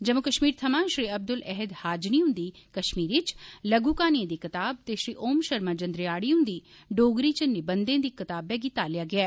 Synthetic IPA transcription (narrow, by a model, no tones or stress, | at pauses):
d͡ʒəmõːkəʃmiːɾt̪ʰəmãːʃɾiːəb̚d̪ʊlʔɛɦɪd̪haːd͡ʒniːʊ̃nd̪iː | kəʃmiːɾɪt͡ʃləɡuːkaːniẽːd̪iːkɪt̪aːb̚t̪eːʃɾiːʔoːmʃəɾmaːd͡ʒənd̪ɾɪjaːɽiːʊ̃nd̪iː | ɖoːɡɾiːt͡ʃənɪbənd̪ẽːd̪iːkɪt̪aːbɛːɡiːt̪aːlɪjaːɡɪaː